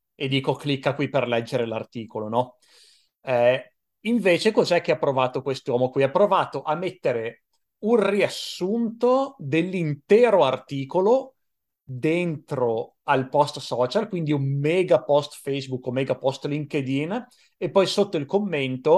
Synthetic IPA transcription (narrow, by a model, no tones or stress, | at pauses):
ed̪iːkoklikːakwiperlɛd͡ʒːeɾela̰rt̪iːkolonɔ | ɛ | iɱveːt͡ʃekozɛk̟ːeapːɾovaːt̪okwest̪owɔːmokwiapːɾovaːt̪oʔamːet̪ːeɾe | unriasːunt̪od̪elːint̪ɛːɾoart̪iːkolo | d̪ent̪ɾo | alpɔst̪sɔːt͡ʃalkwind̪iumːɛːɡapɔst̪fɛjsbukːomːɛːɡapɔst̪liŋked̪in | epːɔjsot̪ːoilkomːent̪o